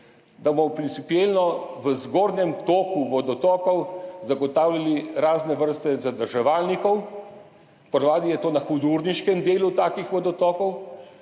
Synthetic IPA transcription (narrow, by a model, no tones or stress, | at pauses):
d̪abmɔpɾintsipielnɔʋəzɡoːɾnɛmt̪oːkuʋɔd̪ɔt̪ɔkɔwzaɡɔt̪aːwlʲaliɾaːznɛʋəɾst̪ɛzad̪əɾʒɛʋaːlnikɔw | pɔd̪ʋaːd̪ijɛt̪oːnaxud̪uɾniʃkɛmd̪eːlut̪aːkixʋɔd̪ɔt̪ɔkɔw